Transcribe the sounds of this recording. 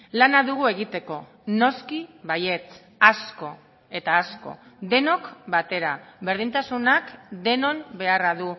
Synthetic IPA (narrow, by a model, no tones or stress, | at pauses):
lanaðuɣ̞ue̞ɣ̞it̪e̞ko̞ | no̞skiβaje̞t͡s | asko̞ | e̞t̪aːsko̞̰d̪e̞no̞kbat̪e̞ɾaβe̞ɾð̞int̪asunakd̪e̞no̞nbe̞araðu